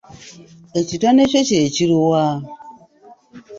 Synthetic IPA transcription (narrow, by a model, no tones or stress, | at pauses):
et͡ʃitanet͡ʃet͡ʃet͡ʃiɾuwa